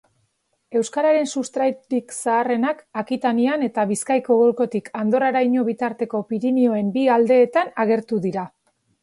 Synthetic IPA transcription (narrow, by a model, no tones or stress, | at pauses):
e̞wskaɾaɾe̞nsust̪ɾajt̪ɾiksaːre̞nakakit̪aniane̞t̪aβiskajko̞ɣolko̞t̪ikʰand̪o̞ɾaɾajɲo̞βit̪aɾt̪e̞ko̞piɾimio̞e̞mbiald̪e̞ːt̪anaɣ̞e̞ɾt̪uðiɾa